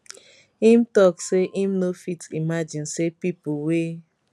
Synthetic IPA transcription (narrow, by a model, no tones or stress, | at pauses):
ĩmtɔkseʔĩmnofitimad͡ʒĩnsepipuwe